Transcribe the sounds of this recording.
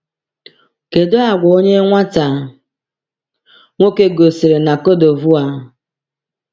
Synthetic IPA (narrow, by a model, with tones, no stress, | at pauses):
ke˨do˦a˨ɡʷa˨o˦ɲe˦ŋʷa˦ta˨ | ŋʷo˦ke˦ɡo˨si˨ɾe˨na˨ko˦do˨vu˦a˦